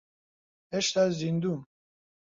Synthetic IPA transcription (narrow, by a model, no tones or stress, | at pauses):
eʃt̪azzind̪um